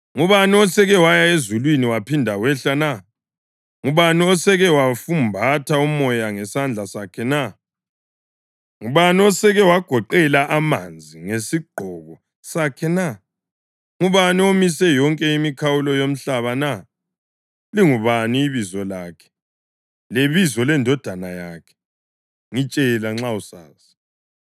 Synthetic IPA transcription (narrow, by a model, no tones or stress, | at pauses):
ŋuβaniɔsɛɣɛwajaezulwiniwapʰindʱawɛɬana | ŋuβaniɔsɛɣɛwafumbʱatʰaumɔjaŋɛsand͡ɮʱasakʰɛna | ŋuβaniɔsɛɣɛwaɡ̥ʱɔǃɛlaʔamand͡zʱiŋesiɡ͡ǃ̥ʱɔɣɔ | sakʰɛna | ŋuβaniomisɛjɔŋkʼɛimikʰawulɔjom̩ɬaβana | liŋuβaniːβizɔlaːkʰɛ̥ | leβizɔlɛndʱɔd̥ʱanajaːkʰɛ̥ | ŋit͡ʃʼɛlaŋ͡ǁausaːsi̥